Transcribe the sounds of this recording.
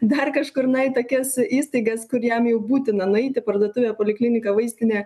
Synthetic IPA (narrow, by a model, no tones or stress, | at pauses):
d̪ɐrkɐʃkʊɾnɐɪt̪oːkʲɛsiːst̪ɐɪɡɐskʊɾjɛmjɛʊbuːt̪ʲɪnɐnʊɛɪt̪ʲɪpɐrd̪oɔt̪ʊʋʲeːpoːlʲɪklʲɪnʲɪkɐʋɐɪsʲt̪ʲɪnʲɛː